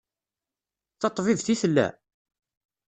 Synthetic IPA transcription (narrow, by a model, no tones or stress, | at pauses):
θɑt̪ˤːvivθiθəlːæ̰